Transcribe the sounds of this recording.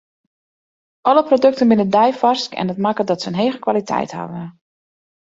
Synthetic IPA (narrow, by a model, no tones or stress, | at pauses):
ʔɔləprodɵk̚tənbɪnədɛjfɑskɛ̰ndɔtmakədɔtsəənɦeːɣəkʋalitʰɛ̰jtha̰vən